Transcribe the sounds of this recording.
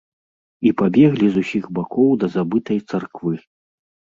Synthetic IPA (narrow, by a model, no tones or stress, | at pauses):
ipabʲɛɣlʲizusʲiɣbakʰɔwd̪ɐzabɨt̪ɐjt̪sarkvɨ